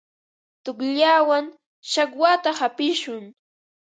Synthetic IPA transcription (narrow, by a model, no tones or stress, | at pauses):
t̪ʊkʎawaŋ | ʃakwat̪ahapɪʃʊŋ